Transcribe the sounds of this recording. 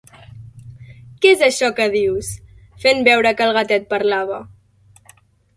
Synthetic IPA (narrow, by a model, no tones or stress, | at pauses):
kɛezəʃɔkəð̞iws | fembɛwɾəkəlˠɣət̪ɛt̪̚pəɾlaβ̞ə